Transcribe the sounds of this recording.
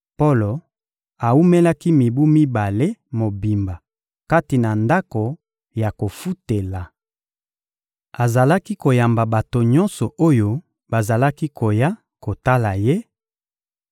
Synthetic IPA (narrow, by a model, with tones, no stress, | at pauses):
po˦lo˨ | a˨u˦me˦la˦ki˦mi˨bu˦mi˦ba˨le˦mo˨bi˨mba˨ | ka˦ti˨na˨nda˦ko˨ | ja˨ko˨fu˦te˨la˨ | a˨za˨la˦ki˦ko˨ja˨mba˨ba˨to˨ɲɔ˦nsɔ˨o˦jo˦ | ba˨za˨la˦ki˦kʰo˨ja˦ | ko˨ta˦la˨je˦